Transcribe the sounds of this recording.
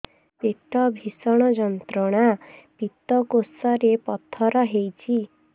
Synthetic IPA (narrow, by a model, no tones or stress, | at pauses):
pet̪ɔbʱisɔɽ̃ɔd͡ʒɔnt̪ɾɔɽ̃apit̪ɔkosɔɾepɔt̪ʰːɔɾɔɦejt͡ʃʰi